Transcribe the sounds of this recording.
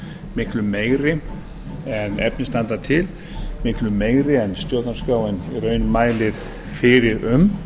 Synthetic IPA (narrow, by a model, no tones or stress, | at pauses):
mɪhklʏmeːjɾɪ | ɛnɛ̰p̚nɪst̪ant̪at̪ʰɪl | mɪhklʏmeːjɾɪɛnst̪jœːkanskaːwɛniɾœːɥnʏmaːjlɪɾ̥ | fɪɾɪɾʏm